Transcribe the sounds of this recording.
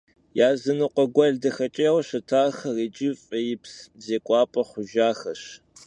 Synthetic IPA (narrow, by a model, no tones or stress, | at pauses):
jaːzɨnɨqʷʼɔɡʷɐɮdɐxɐt͡ʃʼɐwɕɐtʰaːxreːd͡ʒɪfʼɐjɪpszeːkʷʼɑːpʼɐχʷʊʒaːxɐɕ